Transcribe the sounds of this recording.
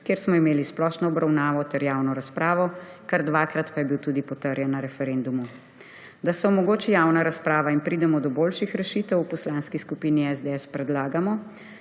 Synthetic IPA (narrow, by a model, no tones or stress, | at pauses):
kjeːɾsmɔimeːlisplɔʃnɔɔbɾawnaːʋɔt̪ɛɾjaːwnɔɾaspɾaːʋɔkaɾd̪ʋakɾat̪pajɛbiwt̪uːd̪ipɔt̪əɾjɛnːaɾɛfɛɾend̪umu | d̪asɛmɔɡoːt͡ʃijaːwnaɾaspɾaːʋainpɾiːd̪ɛmɔd̪ɔboːlʃixɾɛʃiːt̪ɛwupɔslanskiskupiːniɛzd̪eɛspɾɛd̪laːɡamɔ